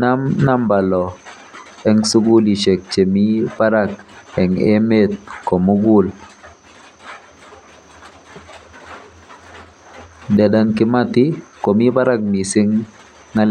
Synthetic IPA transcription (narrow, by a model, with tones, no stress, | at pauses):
na˦mna˦mba˨lɔ˨ | ɛ˦ŋsu˦ɡu˦li˨t͡ʃe˨k̚t͡ʃe˨mi˦ba˦ɾa˨kɛ˨ŋɛ̰˦me˦t̪̚ko˨mu˦ɡʊ˦l | dɛ˨da˨ŋkɪ˨ma˦t̪ɪ˦ko˨mi˦ba˦ɾa˦k̚mi˨sɪ˦ŋː | a˦l